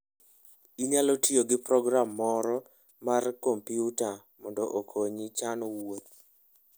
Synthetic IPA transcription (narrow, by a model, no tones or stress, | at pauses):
iɲalɔtioɡɪpɾɔɡɾamːɔɾɔ | markompiuta | mɔndɔʔokʰoɲit͡ʃanɔwot̪̚